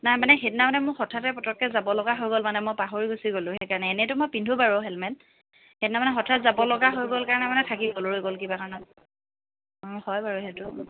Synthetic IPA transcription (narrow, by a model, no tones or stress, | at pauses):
najmanɛɦetnamanɛmʊɹxɔtʰatɛpɔtɹɔkːɛzabɔlɔɡaɦojɡolmanɛmɔjpaɦoɹiɡusiɡolʊ̃xejkaɹɔnɛːnɛtʊmojpindʱubaɹoɦɛlmɛn | xetnamanɛxɔtʰɹatzabɔlɔɡaɦojɡolkaɹɔnɛmanɛtʰakiɡoloɹojɡolkibakaɹnɔt̚ | hɔjbaɹuɦɛtʊ